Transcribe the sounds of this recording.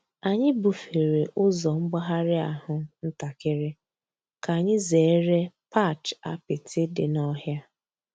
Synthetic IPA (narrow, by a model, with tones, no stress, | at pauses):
a˨ɲɪ˦bu˨fe˨ɾe˨ʔʊ˦zɔ˨ŋ͡m̩˦ɡ͡ba˦ɦa˦ɾɪ˦a˨ɦʊ˦n̩˦ta˨kɪ˦ɾɪ˦ | ka˨ɲɪ˦ze˨˦ɾe˦pa˦˨t͡ʃa˦pɪ˨tʰɪ˦dɪ˨nɔ˦ɦja˦